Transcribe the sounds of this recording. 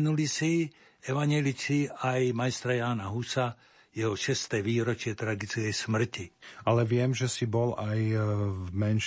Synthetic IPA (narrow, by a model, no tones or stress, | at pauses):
nulisi | ɛʋaɲɛlit͡siajmajst̪ɾajaːnaɦusa | jɛɦɔʃɛst̪ɛːʋiːɾɔt͡ʃɪɛt̪ɾaɡit͡skɛjsmr̩cialɛʋɪɛmʒɛsibɔlaj | mɛnʃ